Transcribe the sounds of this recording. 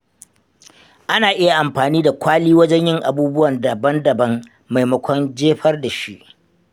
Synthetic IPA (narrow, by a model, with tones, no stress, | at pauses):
ʔa˦naː˨ʔɪ˦ja˨ʔa˨mɸaː˨niː˦da˨kʷaː˦liː˦wɐ˦d͡ʒɛ˦ɲjɪ˦ŋʔa̰˨buː˦bʊ˦wɐ˨ndɐ˨bɐ˦ndɐ˨bɐ˦ŋ | ma˨jmɐ˦kʷʰɔ˦nd͡ʒeː˦ɸɐ˦rda˨ʃi˦ʔ